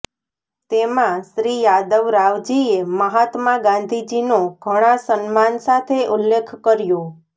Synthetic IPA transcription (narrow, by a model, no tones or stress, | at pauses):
t̪emãʃɾijad̪əʋɾaʋd͡ʒieməɦat̪maɡãnd̪ʱid͡ʒinoɡʱəɽ̃ãsənmansat̪ʰeʔʊlːekʰkəɾjõ